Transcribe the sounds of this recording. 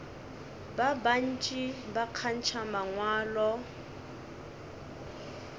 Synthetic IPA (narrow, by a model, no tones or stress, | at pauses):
baban̩t͡ʃʼibakʰan̩t͡ʃʰamaŋwaːlɔ